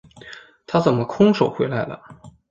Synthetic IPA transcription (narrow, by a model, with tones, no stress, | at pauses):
t̪ʰa˥t͡sə˨˩nmə˦kʰʊ˥ŋʂo˨˩ʊxwe˧˥ɪla˧˥ɪlə̰˩